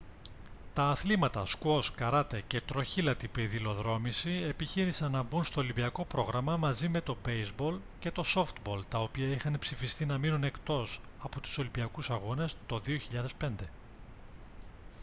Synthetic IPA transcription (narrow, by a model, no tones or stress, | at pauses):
t̪ɐːθlimɐt̪ɐskuo̞skɐɾɐt̪e̞ce̞t̪ɾo̞çilɐt̪ipeðilo̞ðɾo̞misie̞piçiɾisɐnːɐbunst̪o̞ːlimbiɐko̞pɾo̞ɣɾɐmɐmɐzime̞t̪o̞be̞jzbo̞l | ce̞t̪o̞so̞ft̪bo̞lt̪ɐo̞piɐixɐnpsifist̪inɐminune̞kt̪o̞sɐpo̞t̪u̥so̞limbiɐkusɐɣo̞ne̞st̪o̞ðio̞çiʎɐðe̞spe̞nd̪e̞